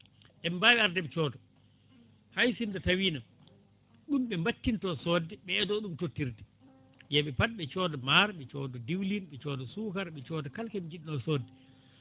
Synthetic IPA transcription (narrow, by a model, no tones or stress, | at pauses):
ʔɛmbawɛaɾdɛɓɛt͡ʃɔːdɔ | hajsindɔtawiːna | ɗumɓɛmbatːintɔsɔːdːɛɓɛːdɔɗumtotːiɾdɛ | jaɓɛpat̚ɓɛt͡ʃɔːdɔmaɾɓɛt͡ʃɔːdɔdiwlinɓɛt͡ʃɔːdɔsuːkaɾɓɛt͡ʃɔːdɔkalkɛmid͡ʒiɗinɔsoːdɛ